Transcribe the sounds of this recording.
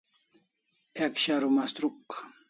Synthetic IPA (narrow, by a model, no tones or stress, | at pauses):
ekʃaɾʊmast̪ɾuk